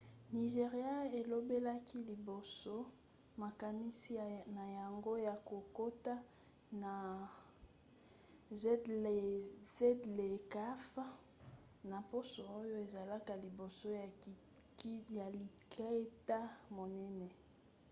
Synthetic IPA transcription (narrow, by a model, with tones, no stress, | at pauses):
ni˨ʒe˨ʁja˦e˨lo˦be˦la˦ki˦li˨bo˨so˦ | ma˨ka˨ni˦si˦na˨ja˨ŋɡo˦ja˨ko˨ko˦ta˦ | na˨ | zɛ˦dle˨ze˦dle˨ka˦f | na˨po˦so˨o˦jo˦e˨za˨la˦ka˨li˨bo˨so˦ja˨ | kja˨li˨kʰa˦e˦ta˦mo˨nɛ˦nɛ˨